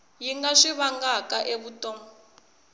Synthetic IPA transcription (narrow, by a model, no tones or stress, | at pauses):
jiŋɡaʂiβaŋɡakaʔeβutɔmɔ